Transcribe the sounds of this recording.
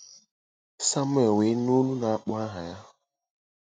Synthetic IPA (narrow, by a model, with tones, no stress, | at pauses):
sa˦mʊ˦e˨we˨˦no˦nu˦na˨a˦k͡pʊ˦a˦ɦa˨ja˦